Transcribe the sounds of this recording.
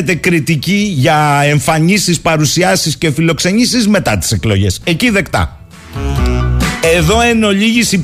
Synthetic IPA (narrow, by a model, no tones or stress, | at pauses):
t̪e̞kɾit̪iciʝɐe̞ɱfɐɲisispɐɾusiɐsisce̞filo̞kse̞nisizme̞t̪ɐt̪i̥se̞klo̞ʝe̞se̞ciðe̞kt̪ɐ̰ | e̞ðo̞e̞no̞ʎiʝisi